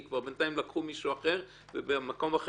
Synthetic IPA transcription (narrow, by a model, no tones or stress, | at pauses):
kvaʁbent̪aimlakχumiʃuaχe̞ʁ | vebemako̞maχ